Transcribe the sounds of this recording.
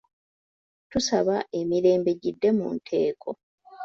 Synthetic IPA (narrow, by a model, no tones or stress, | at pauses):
tusaβaʔe̞miɾe̞ːmbe̞ɟidːe̞mṵːntʰe̞ːkʰo̞